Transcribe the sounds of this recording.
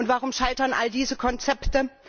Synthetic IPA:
ʊntv̥aʁ̞ʊmʃaɪtɐnʔa̰ldiːzəkʰɔnt͡sɛptə

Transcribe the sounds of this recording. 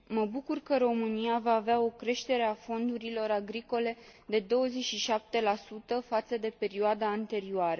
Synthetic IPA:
məbukurkəɾo̞mɨniavaːveao̞kɾe̞ʃt̪e̞ɾe̞afo̞nd̪uɾilo̞ɾaɡɾiko̞le̞d̪e̞d̪o̞wəze̞t͡ʃʲʃiʃap̚t̪e̞lasut̪əfat̪səd̪e̞pe̞ɾioad̪aːnt̪e̞ɾioaɾə

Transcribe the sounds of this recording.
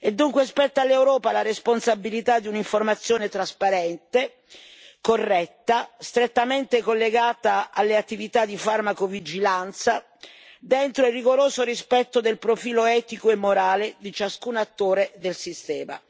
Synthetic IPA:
ed̪ːuŋkwespɛt̪ːalːewɾɔːpalaɾesponsabilit̪ad̪ːiuniɱformat̪sːjoːnet̪ɾaspaɾɛnt̪e | korːɛt̪ːast̪ɾet̪ːament̪ekolːeɡaːt̪aalːeat̪ːivit̪ad̪ːifarmakovid͡ʒilant̪sa | d̪ent̪ɾoirːiɡoɾoːzorispɛt̪ːod̪elpɾofiːloɛːt̪ikoemːoɾaːled̪it͡ʃaskunat̪ːoːɾed̪elsist̪ɛːma̰

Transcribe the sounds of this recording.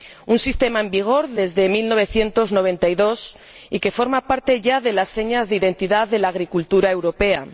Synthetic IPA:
unsist̪e̞maembiɣ̞o̞ɾðe̞zðe̞milno̞β̞e̞θje̞nt̪o̞zno̞β̞e̞nt̪aiðo̞s | ike̞fo̞ɾmapaɾt̪e̞ʝaðe̞lasːe̞ɲazðeiðe̞nt̪iðaðe̞laːɣ̞ɾikult̪uɾae̞wɾo̞pe̞a̰

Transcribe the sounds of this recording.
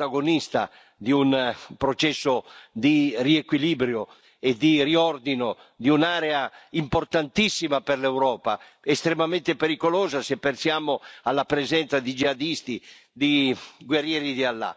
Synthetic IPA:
aɡonist̪a̰ | d̪iunpɾot͡ʃɛsːod̪iriekwilibɾjo | ed̪iriɔrd̪ino | d̪iunaːɾɛaimport̪ant̪isːimaperlɛwɾɔːpa | est̪ɾemamɛ̃nt̪epeɾikolɔːzasepːensjaːmoalːapɾɛzɛnt̪sad̪id͡ʒiad̪ist̪i | d̪iɡwerːjɛːɾid̪ialːa̰

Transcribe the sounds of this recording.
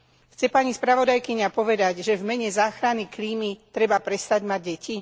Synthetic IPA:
xt͡sɛpaːɲispɾaʋɔd̪ajkiɲapɔʋɛd̪aɟʒɛvmɛɲɛzaːxɾanikliːmit̪ɾɛbapɾɛst̪aɟmaɟ̚ːɛcʰi

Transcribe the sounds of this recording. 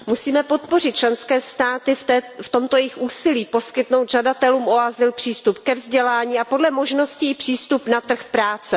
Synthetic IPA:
musiːmɛpo̞t̪po̞r̝ɪt̪̚t͡ʃlɛnskɛːst̪aːt̪ɪɛft̪o̞mt̪o̞jɛjɪxʔuːsɪliːpo̞skɪt̪no̞wt̪ʒadat̪ɛluːmʔo̞azɪlpr̥iːst̪upkɛvzɟɛlaːɲiːapo̞dlɛmo̞ʒno̞scɪɪpr̥iːst̪upnat̪r̩xpɾaːt͡sɛ

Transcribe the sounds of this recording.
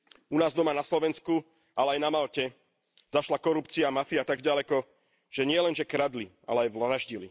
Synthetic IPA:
unaːzd̪ɔmanaslɔʋɛnsku | alɛajnamalcɛ | zaʃlakɔɾupt͡siaːmafiat̪aɡɟalɛkɔ | ʒ̥ɛɲɪɛlɛnʒɛkɾad̪li | a̰lɛajʋlɾaʒɟilḭ

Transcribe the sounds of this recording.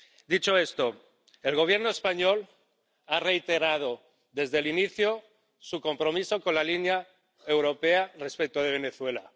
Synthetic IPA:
d̪it͡ʃoest̪o | e̞lɣo̞β̞je̞ɾnoespaɲo̞l | are̞jt̪e̞ɾað̞o | ðe̞zðeliniθjo | suko̞mpɾo̞miso̞ko̞nlalinja | e̞wɾo̞pe̞arespek̚t̪oð̞e̞β̞e̞neθwe̞la̰

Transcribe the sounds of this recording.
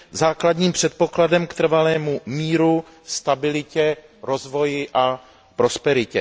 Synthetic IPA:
zaːkladɲiːmpr̝̥ɛt̪̚po̞kladɛmkt̪r̩valɛːmumiːɾu | st̪abɪlɪcɛɾo̞zvo̞jɪʔa | pɾo̞spɛɾɪcɛ

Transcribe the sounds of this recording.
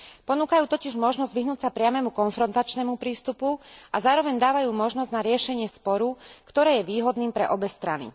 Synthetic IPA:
pɔnuːkajuːt̪ɔciʒmɔʒnɔzɟʋiɦnuːcsapɾɪamɛmukɔnfɾɔnt̪at͡ʃnɛmupɾiːst̪upuʔazaːɾɔʋɛɲd̪aːʋajuːmɔʒnɔzɟnaɾɪɛʃɛɲɪɛspɔɾukt̪ɔɾɛːjɛʋiːɦɔd̪niːmpɾɛʔɔbɛst̪ɾa̰nḭ

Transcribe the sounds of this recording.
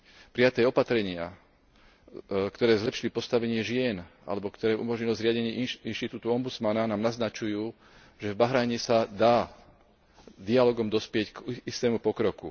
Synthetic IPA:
pɾijat̪ɛːɔpat̪ɾɛɲɪa̰ | kt̪ɔɾɛːzlɛpʃilipɔst̪aʋɛɲɪɛʒɪɛnʔa̰lɛbɔkt̪ɔɾɛːʔṵmɔʒɲilɔzɾɪaɟɛɲɪɛinʃt̪it̪uːt̪uɔmbut͡smananaːmnaznat͡ʃujuː | ʒɛvbaɦɾaːɲɛsad̪aː | d̪ialɔɡɔmd̪ɔspɪɛckist̪ɛːmupɔkɾɔku

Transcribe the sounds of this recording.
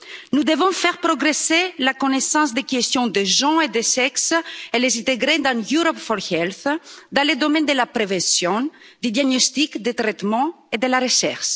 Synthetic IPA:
nud̪evɔ̃fɛʁpɾoɡɾeselakonesɑ̃sd̪ekest̪jɔ̃d̪eʒɑ̃ed̪esɛkselezɛ̃nt̪eɡɾed̪ãjuɾɔpfɔɾhɛlθd̪ɑ̃led̪omɛ̃nd̪elapɾevɛ̃sjɔ̃ | d̪yd̪jaɡnost̪ikd̪et̪ɾɛt̪mɑ̃ | ed̪elaʁeʃɛ̰ʁʃ

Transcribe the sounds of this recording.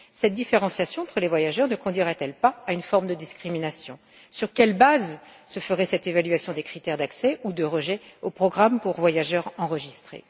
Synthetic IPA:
sɛt̪̚d̪ifeʁɑ̃sjasjɔ̃ɑ̃t̪χəlevwajaʒœʁnəkɔ̃d̪ɥiʁɛt̪ɛlpaːynfɔʁmd̪əd̪iskχiminasjɔ̃ | syʁkʲɛlbaz | səfəʁɛsɛt̪evalɥasjɔ̃d̪ekχit̪ɛʁd̪aksɛʔud̪əʁəʒɛopχɔɡʁampuʁvwajaʒœʁɑ̃ʁəʒist̪χḛ

